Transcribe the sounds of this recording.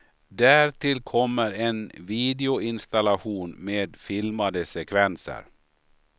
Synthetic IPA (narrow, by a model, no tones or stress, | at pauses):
d̪æːɾʈ̪ʰɪlkʰɔmːəɾɛnviːd̪ɛʊɪnst̪alaɧuːnmeːd̪fɪlmad̪əsɛkʰvɛnsə̰ɾ